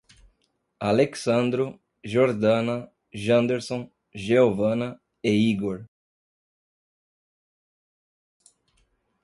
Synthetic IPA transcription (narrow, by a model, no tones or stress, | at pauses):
aleksɐ̃nd̪ɾʊ | ʒoɾd̪ɐ̃nɐ | ʒɐ̃nd̪eɾsõ | ʒeovɐ̃nɐ | eiɡoɾ